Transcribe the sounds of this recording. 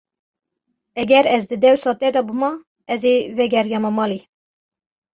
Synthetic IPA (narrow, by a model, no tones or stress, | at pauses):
ɛɡɛɾɛzd̪ɨd̪ɛwsɑːt̪ɛd̪ɑbɨmɑ | ɛzevɛɡɛɾjɛmɑmɑːli